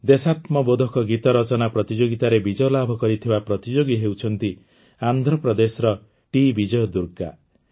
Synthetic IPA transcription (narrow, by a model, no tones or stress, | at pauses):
d̪esat̪mɔbod̪ʱɔkɔɡit̪ɔɾɔt͡ʃɔnapɾɔt̪id͡ʒoɡit̪aɾebid͡ʒɔlabʱɔkɔɾit̪ʰibapɾɔt̪id͡ʒoɡiɦewt͡ʃʰɔnt̪i | and̪ʱɾɔpɾɔd̪esɔɾɔ | ʈibid͡ʒɔjɔd̪uɾka̰